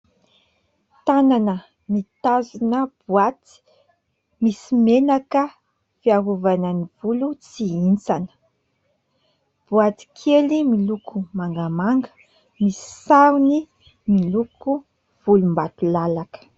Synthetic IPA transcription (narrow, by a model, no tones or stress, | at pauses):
t̪ananə | mit̪azunəbuat̪i̥ | misimenakə | fiaɦuvanənivulut͡siint͡sanə̥ | b̥uat̪i̥kʰelimilukʰumaŋɡamaŋɡə̥ | misi̥saɾni | miluku | v̥ulumbat̪ulalakə̥